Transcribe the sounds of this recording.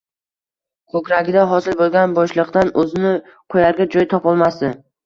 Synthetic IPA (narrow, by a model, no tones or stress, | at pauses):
kʰɵkʲɾaɡʲɪd̪aɦɒsɪlbolˠɡʲanbɒʃlˠɨqt̪anɵzɪnɪ | qʰojaɾɡʲad͡ʒɒjt̪ʰɒpɒlˠmasd̪ɪ